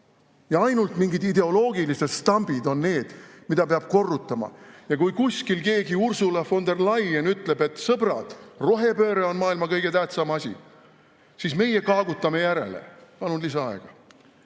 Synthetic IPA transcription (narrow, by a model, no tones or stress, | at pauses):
jɑɑjnult̪miŋɡid̪id̪̥e̞o̞lo̞ːɡilise̞t̪st̪ɑmb̥id̪o̞nne̞ːd̪̥mid̪ɑpeɑb̥ko̞rːut̪ːˑɑmɑ̰jɑkujkusʲkilke̞ːɡiursulɑfo̞nd̪e̞rlɑjenyt̪ˑle̞be̞t̪ːsɤb̥ɾɑd̪̥ro̞ɦe̞pø̞ːɾeo̞nmɑːilmɑkɤjɡ̥e̞t̪æht̪sɑmɑsʲḭ | sisme̞jekɑːɡut̪ːˑɑme̞jæɾe̞̰le̞̰pɑlunlis̬ɑɑeɡ̥ɑ